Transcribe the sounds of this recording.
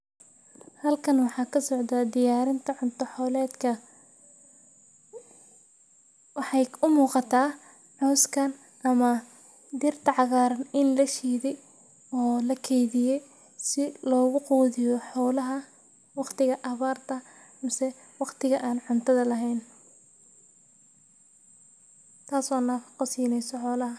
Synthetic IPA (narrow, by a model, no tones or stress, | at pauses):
hɐlkʰɐnwɑħɑːkʰɐsɔʕd̪aːd̪ɪjaːɾɪnt̪ʰɐʕʊnt̪ʰɔħɔːlɛːd̪kʰɐ | wɑħɑjʊmuːqɑt̪ʰaː | ħɔwskʰɐn | ʔɐmɐ | d̪ɪrt̪ʰɐʕɑɣaːɾɐnɪnlɐʃiːðɛj | ɔːlɐkʰɛjðɪjɛj | sɪlɔːɣʊquːðɪjɔħɔːlɐɦɐ | wɑqt̪ʰɪɣɐʔɐβaːrt̪ʰɐ | ɐmsɛ | wɑqt̪ʰɪɣɐʔaːnʕʊnt̪ʰɐðɐlɐɦɛjn | t̪ʰaːsɔːnɐfqɔsiːnɛjsɔħɔːlɐɦɐ